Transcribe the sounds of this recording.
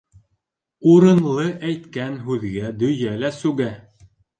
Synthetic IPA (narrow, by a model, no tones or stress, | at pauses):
uɾɤ̆nlˠɤʔæjt̪kænɦʉðɡæd̪ɵ̆jælæsʉɡæ